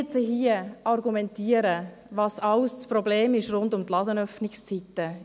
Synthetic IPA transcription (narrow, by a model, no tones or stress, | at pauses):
t͡səɦiəɑɾɡumɛntiːəɾə | vɑːsɑʊst͡sprɔbleːmɪʃrʊndʊmtlɑdənœfnɪkst͡sitə